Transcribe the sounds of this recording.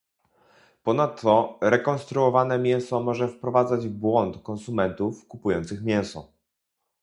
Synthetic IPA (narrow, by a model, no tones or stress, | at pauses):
pɔnat̪ːɔɾɛkɔnst̪ɾuɔvanɛmʲjɛw̃sɔmɔʐɛfpɾɔvad̪zad͡ʑvbwɔnt̪kɔnsumɛnt̪ufkupujɔnt̪sɘxmʲjɛ̃w̃sɔ